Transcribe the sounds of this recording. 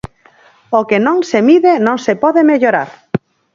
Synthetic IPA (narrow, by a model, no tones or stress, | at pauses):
okenõŋsemiðenõŋsepɔðemeʎoɾa̰ɾ